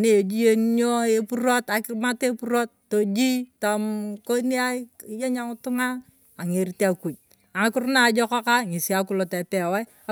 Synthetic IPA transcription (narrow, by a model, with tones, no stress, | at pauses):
a˨ne˦e˨d͡ʒi˦je˦n˦ɲo˦e˦pu˦ɾo˦ta˨ki˦ma˦te˦pu˦ɾo˦t̚ːo˨d͡ʒi˦ta˨mko˦ni˦a˦i˦˨je˦ɲa˦ŋu˦tu˦ŋa˦ | a˨ŋe˨ɾi˨te˦a˨ku˨d͡ʒ̚ | a˨˦ku˦ɾna˦˨d͡ʒɔ˦kɔ˦ka˦ŋi˨si˨a˦k̬u˦˨lo˨tɛ˨pɛ˨wɛ˦˨